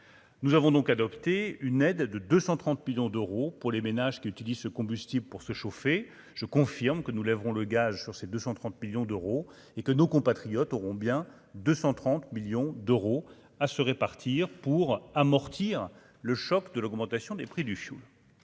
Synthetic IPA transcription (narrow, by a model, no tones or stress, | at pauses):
nuzavɔ̃d̪ɔ̃kad̪ɔpt̪eynɛd̪ːəd̪øsɑ̃t̪χɑ̃t̪miljɔ̃d̪øʁopuʁlemenaʒkʲiyt̪ilizsəkɔ̃byst̪ibləpuʁsəʃofe | ʒ̥əkɔ̃fiʁmkənulɛvʁɔ̃ləɡazsyʁsed̪øsɑ̃t̪χɑ̃t̪miljɔ̃d̪øʁo | ekənokɔ̃pat̪χijɔt̪ɔʁɔ̃bjɛ̃ | d̪øsɑ̃t̪χɑ̃t̪miljɔ̃d̪øʁo | asəʁepaʁt̪ʰiʁpuʁamɔʁt̪ʰiʁ | ləʃɔkd̪əlɔɡmɑ̃t̪asjɔ̃d̪epχid̪yfjṵl